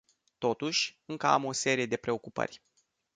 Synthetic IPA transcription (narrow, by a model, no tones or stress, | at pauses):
t̪o̞t̪uʃʲɨŋkəa̰mo̞se̞ɾije̞d̪e̞pɾe̞o̞kupə̰rʲ